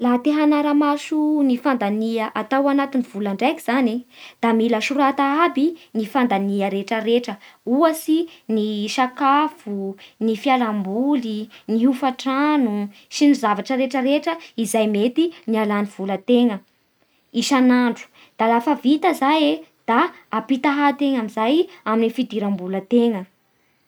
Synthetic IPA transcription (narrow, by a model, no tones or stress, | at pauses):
lat̪eɦanaɾamasunifand̪aniəʔat̪awanat̪iniv̥ulaɳɖ͡ʐajkiz̥aned̪̥amiləʃuɾat̪aabinifand̪aniəɾeʈ͡ʂəɾeʈ͡ʂəuəsiniʃakafunifialambuliniɦufaʈ͡ʂanusinizavaʈ͡ʂəɾeʈ͡ʂəɾeʈ͡ʂəizajmet̪inialaniv̥ulət̪eŋə | iʃanaɳɖ͡ʐu̥ | d̪̥alafəvit̪əzajed̪̥aː | pit̪aɦat̪eŋamizajaminifid̪iɾambulət̪eŋə